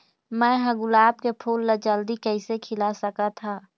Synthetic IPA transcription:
mɛ̃ːɦɐɡʊlaːb̚kepʰuːlːəd͡ʒəld̪ikɛɪsekʰɪlasəkat̪ʰaː

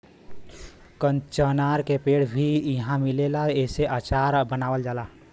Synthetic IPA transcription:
kənt͡ʃənaɾkepeɽbʱiiɦãmilelaeseʔat͡ʃaɾbənawəld͡ʒala

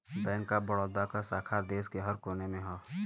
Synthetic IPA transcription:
bɛ̃ːŋkːabəɽoːd̪akasaːkʰad̪eːskeɦəɾkoːnemẽɦoː

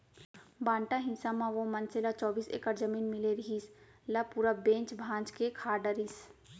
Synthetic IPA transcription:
bãːɳʈaɦɪ̃nsamãʋomɐnselat͡ʃɔːbiːsḛːkəɾd͡ʒəmiːnmɪleɾiɦiːs | lapuːɾabẽːɲt͡ʃbʱãːnd͡ʒkekʰaːɖəɾis

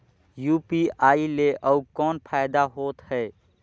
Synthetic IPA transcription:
juːpiaːileʔəukɔːnpʰaːɪd̪aɦoːt̪hɛː

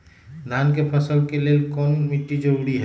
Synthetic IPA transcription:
d̪ankepʰəsəlkeleːlkɔːnmɪʈːid͡ʒəɾuɾiɦɛ

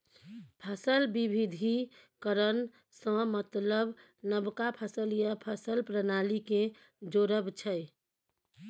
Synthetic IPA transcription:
pʰəsəlbibʱid̪ʱi | kəɾən | sə̃mət̪ləb | nəbkapʰəsəljəpʰəsəlpɾənalike | d͡ʒoɾəbt͡ʃʰəj

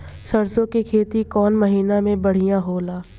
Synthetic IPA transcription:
ʃɐɾsõkikʰeːt̪ikɔːnmɐɦiːnamẽbɐɽ̤ijãɦoːlaː

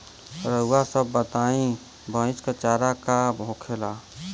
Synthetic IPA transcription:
ɾəuwasəbːət̪aːĩ | bʱə̃ɪ̃t͡ʃkat͡ʃaːɾakabʱoːkʰela

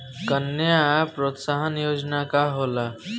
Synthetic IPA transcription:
kənːjapɾot̪saɦənjoːd͡ʒnakaɦola

